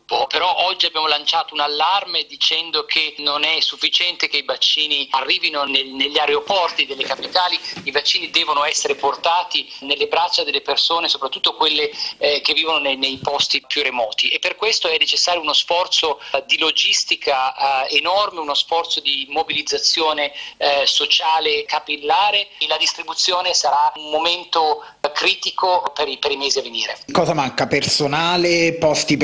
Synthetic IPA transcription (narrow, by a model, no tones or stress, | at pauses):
pɔpeɾɔʔɔd͡ʒːiabjaːmolant͡ʃaːt̪ounalːarmed̪it͡ʃɛnd̪okʰenonɛsːufːit͡ʃɛnt̪ek̟eivat͡ʃːiːniarːiːvinoneneʎːaɾeopɔrt̪id̪elːekapit̪aːliivat͡ʃːiːnid̪ɛːvonoɛsːeɾeport̪aːt̪inelːebɾat͡ʃːad̪elːepersoːnesopɾat̪ːut̪ːokwelːekevːiːvononenejpɔst̪ipjuremɔːt̪iʔepːerkwest̪oɛnːet͡ʃesːaːɾjounosfɔrt̪sod̪ilod͡ʒist̪ikʰaenɔrmeunosfɔrt̪sod̪imobilid̪zat̪sːjoːnesot͡ʃaːlekapilːaːɾelad̪ist̪ɾibut̪sːjoːnesaɾaumːoment̪o | kɾiːt̪ikopeɾipeɾimeːziavːeniːɾḛkɔːzamaŋkapersonaːlepɔst̪i